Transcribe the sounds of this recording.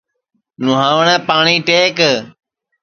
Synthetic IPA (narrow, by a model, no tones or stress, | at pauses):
nʊɦaːʋəɳɛ̃ːpaːɳiːʈeːk